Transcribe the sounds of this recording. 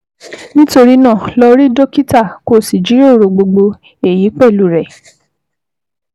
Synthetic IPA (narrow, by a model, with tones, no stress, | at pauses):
nĩ˦to˧ɾi˦nã˦˨lɔ˧ɾi˦do˦ki˦ta˦˨ko˦˨si˨d͡ʒi˨˦ɾo˦˨ɾo˨ɡ͡bo˧ɡ͡bo˧ | e˨ji˨˦k͡pɛ˦˨lu˦˨ɾɛ˨